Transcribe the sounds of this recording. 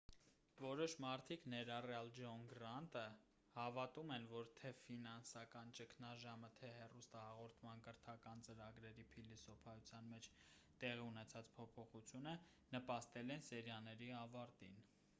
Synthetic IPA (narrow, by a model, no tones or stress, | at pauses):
vɔɾɔʃmɑɾt̪ʰiknɛɾɑrjɑld͡ʒɔŋɡɾɑnt̪ə | hɑvɑt̪umɛnvɔɾt̪ʰɛfinɑnsɑkɑnt͡ʃəkʰnɑʒɑmət̪ʰɛɦɛrust̪ɑhɑʁɔɾt̪ʰmɑnkəɾt̪ʰɑkɑnt͡səɾɑɡɾɛɾipʰilisɔpʰɑjut͡sʰjɑnmɛt͡ʃʰt̪ɛʁiunɛt͡sʰɑt͡spʰɔpʰɔχut͡sʰjunə | nəpɑst̪ɛlɛnsɛɾjɑnɛɾiɑvɑɾt̪ḭn